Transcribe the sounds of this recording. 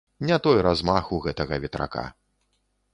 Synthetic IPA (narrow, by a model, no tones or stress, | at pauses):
nʲat̪ɔjɾazmaxuɣɛt̪ɐɣɐvʲɛt̪ɾa̰ka̰